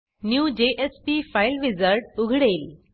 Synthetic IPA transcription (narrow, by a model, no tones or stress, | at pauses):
njuːd͡ʑeʔespifaɪlʋizəɾʈʊɡʱɽeːl